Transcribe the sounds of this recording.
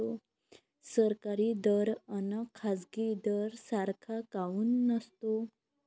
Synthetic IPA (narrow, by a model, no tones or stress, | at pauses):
o | səɾkaɾid̪əɾənakʰad͡zɡid̪əɾsaɾkʰakauːnːəst̪o